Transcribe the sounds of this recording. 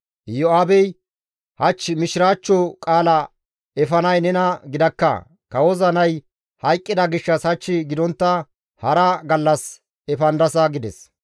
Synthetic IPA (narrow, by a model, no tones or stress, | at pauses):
jɔaːbɛj | hɐt͡ʃːɪmɪʃɪɾaːt͡ʃːɔkʼaːlɐ | ɛfɐnɐjnɛnɐɡɪd̪ɐkːɐ̰ | kɐwɔzɐnɐj | hɐjkʼːɪd̪ɐɡɪʃːɐshɐt͡ʃːɪɡɪd̪ɔnt̪ːɐ | hɐɾɐɡɐlːɐs | ɛfɐnd̪ɐsɐɡɪd̪ɛs